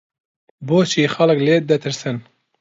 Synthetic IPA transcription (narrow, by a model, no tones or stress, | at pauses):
boːʃiːxɑlɨkleːd̪ɛt̪ʰɨɾsɨn